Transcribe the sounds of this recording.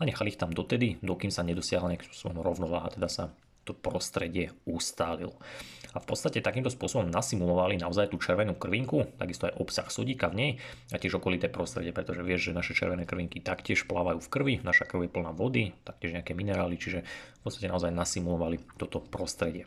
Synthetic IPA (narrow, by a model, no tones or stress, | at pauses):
aɲɛxalixt̪amd̪ɔt̪ɛd̪id̪ɔkiːmsaɲɛd̪ɔsɪaɦlaɲɛaki̥m̩spɔ̥sɔbɔmɾɔʊnɔʋaːɦat̪ɛd̪asa | t̪ɔpɾɔst̪ɾɛɟɪɛust̪aːlḭlɔafpɔtt͡sst̪acɛt̪akiːmt̪ɔspʊɔsɔbɔmnasimulɔʋalinaɔzajt̪uːt͡ʃɛɾʋɛnuːkr̩ʋiŋkut̪a̰ɡist̪ɔajʔɔpsaxsɔɟiːkavɲɛjacɪɛʒɔkɔlit̪ɛːpɾɔst̪ɾɛɟɛpɾɛt̪ɔʒɛʋɪɛʒʒɛnaʃɛt͡ʃɛ̰ɾʋɛnɛːkr̩ʋiŋkit̪akcɪɛʃplaːʋajuːfkr̩ʋinaʃakr̩ʊjɛpl̩naʋɔd̪it̪ak̚cɪɛʒɲɛakɛːminɛɾaːlit͡ʃiʒɛfpɔt͡st̪ḁcɛnaɔzajnasimulɔʋalit̪ɔt̪ɔpɾɔst̪ɾɛɟɪɛ